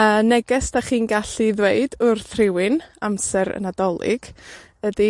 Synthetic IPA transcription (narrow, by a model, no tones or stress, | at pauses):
əːnɛɡɛsd̥aχiːnɡaɬiðweɨdʊrθrɪwɪnamsɛɾə̰nadɔlˠɪ̰ɡ̥ | ədi